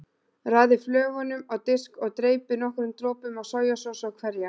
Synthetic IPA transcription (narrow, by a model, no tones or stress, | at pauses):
raːðɪflœːɣɔnʏmawt̪ɪskɔɣt̪ɾeːjpɪnɔhkʏɾʏmt̪ɾɔːpʏmawsaːwjasɔwsawkʰvɛɾja